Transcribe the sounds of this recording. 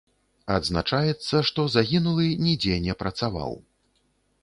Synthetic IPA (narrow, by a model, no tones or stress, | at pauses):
ad̪znat͡ʂajɛt̪sːɐʂt̪ɔzaɣʲinulˠɨnʲɛd͡zʲɛnʲɛpɾɐt̪sava̰w